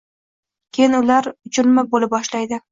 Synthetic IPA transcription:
kʲʰejɪnʊlaɾʊt͡ʃʰʊɾmabolɪp̚bɒʃlajd̪ɪ

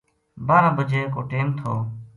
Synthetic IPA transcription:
baːɾãːbəd͡ʒeːkoːʈeːmt̪ʰoː

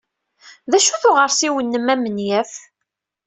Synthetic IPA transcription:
ðæʃuθʊʁəɾsiwənːəmæmənjæf

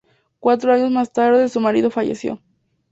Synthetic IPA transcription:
kwat̪ɾoaɲo̞zmast̪aɾðeesumaɾið̞o̞faʝḛsjo̰

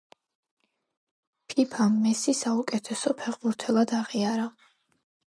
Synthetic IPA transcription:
pʰipʰamːɛsisaukʼɛt̪ʰɛsɔpʰɛʁbuɾt̪ʰɛlˠad̪aʁiaɾa

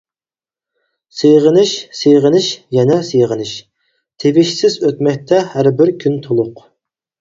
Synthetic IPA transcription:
sejʁənɪʃsejʁənɪʃjɛnɛsejʁənɪʃ | t̪ʰevɪʃsɪzøt̪mɛk̚ʲt̪ʰɛhæɾbɪɾkʲʰynt̪ʰolˠʊq

